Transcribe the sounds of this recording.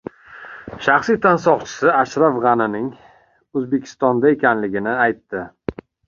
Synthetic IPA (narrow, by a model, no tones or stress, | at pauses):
ʃaχsit̪ʰansɒʁt͡ʃʰɪ̥sɪaʃɾafʁɑnɪnɪŋ | ɵzbe̞kʲʰɪ̥st̪ɒnd̪ae̞kʲanlɪɡʲɪnɪajt̪ːɪ